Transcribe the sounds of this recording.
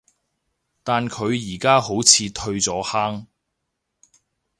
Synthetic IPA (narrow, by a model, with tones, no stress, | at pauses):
t̪aː˨nkʰɵ˨˧ɥjiː˨˩kaː˥ɦo˨˥wt͡sʰiː˨˧t̪ʰɵ˧ɥt͡sɔː˨˥haː˥ŋ